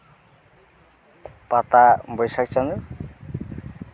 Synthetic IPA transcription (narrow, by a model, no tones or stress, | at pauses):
pat̪abɔjsak̚t͡ʃanu